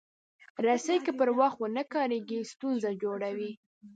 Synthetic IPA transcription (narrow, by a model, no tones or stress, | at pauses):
ɾasəjkəpəɾwaxt̪wənəkɑɾeɡist̪unzad͡ʒoɽawi